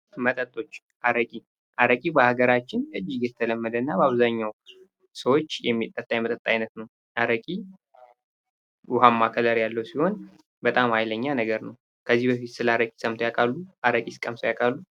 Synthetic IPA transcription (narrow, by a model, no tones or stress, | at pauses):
mət̪ʼət̪ʼːo̞t͡ʃː | ʔaɾəkʼi | ʔaɾəkʼibəhaɡəɾat͡ʃːɪnɨd͡ʒːiɡjɛt̪ʰələmːəd̪ənːabəaβzaɲːaw | səwot͡ʃːjɛmːit̪ʼːət̪ʼːajɛmət̪ʼət̪ʼːajnət̪nəw | ʔaɾəkʼi | ʔʊɦamːakʰələɾjalːəwsiho̞n | bət̪ʼamhajləɲːanəɡəɾnəw | kʰəzːihbəfit̪sɨlaɾəkʼi̥səmt̪ʰojakʼalːuʔaɾəkʼisɨ̥kʼəmsojakʼalːu